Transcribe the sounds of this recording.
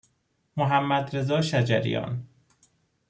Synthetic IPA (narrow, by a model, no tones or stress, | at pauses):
moɦæmːæd̪ɾe̞zɒːʃæd͡ʒæ̰ɾḭjɒ̰ːn